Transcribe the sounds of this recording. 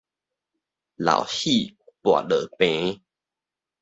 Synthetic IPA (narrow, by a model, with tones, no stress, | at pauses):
la̰˨˩whi˥˧˨pwa̰˨lə˨˩pẽ˧˦